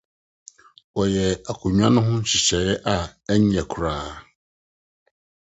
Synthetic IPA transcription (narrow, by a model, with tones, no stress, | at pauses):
wɔ˨jɛ˨a˨kʰʊ˨ɲᶣ˦ã˦nʊ̃˦ɦʊ̃˦ɕɪ˨ɕɛ˨ɛ˦ʔa˨ɛ˦ɲ˦ɛ˨kʰu˨ɾaː˨˦